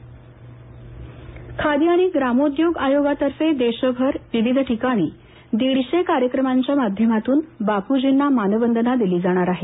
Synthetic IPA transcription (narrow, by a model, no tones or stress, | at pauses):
kʰad̪iːaɽ̃iɡɾamod̪joɡajoɡat̪əɾfed̪eɕəbʱəɾʋiʋid̪ʱʈikaɽ̃iː | d̪iɽɕekaɾjəkɾəmaɲt͡ɕjamad̪ʱjəmat̪uːnbakud͡ʑinːamanəbənd̪ənad̪iliːd͡zaɽ̃aɾaɦe